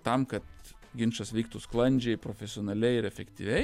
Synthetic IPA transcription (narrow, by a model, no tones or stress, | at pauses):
t̪ɐmkɐt̪ | ɡʲɪnʃɐsʋʲiːk̚t̪usklˠɐnʲd͡ʒʲɛɪpɾoːfʲɛsʲɪoːnɐlʲɛɪɪɾɛfʲɛkt̪ʲḭʋʲɛɪ